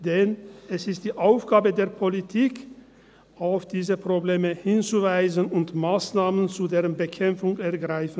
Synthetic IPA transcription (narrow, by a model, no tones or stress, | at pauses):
d̥ɛnɛsɪstd̥iːʔaʊfɡ̥aːbədeːɐpʰolitʰiːk | ʔaʊfd̥iːzəpʁ̥obleːməhɪnt͡suvaɪzənʊntmaːsnaːmənt͡sudeːʁənbəkʰɛmfʊŋɛɐɡʁaɪfn̩